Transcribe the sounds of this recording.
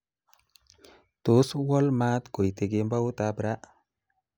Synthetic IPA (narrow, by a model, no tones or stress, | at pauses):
t̪oswɔlmat̪ɡojt̪eɡembawt̪abɾaʔ